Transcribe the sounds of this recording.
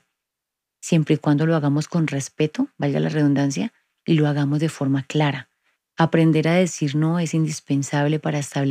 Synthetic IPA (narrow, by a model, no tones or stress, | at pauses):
sje̞mpɾeikwand̪o̞lo̞aɣamo̞sko̞nre̞spe̞t̪o̞balɡa̰lare̞ðund̪ans̬ja | ilo̞aɣamo̞zðd̪e̞fo̞ɾmaklaɾa | apɾe̞nd̪e̞ɾaðe̞siɾno̞e̞sind̪ispe̞nsaβle̞paɾaest̪aβl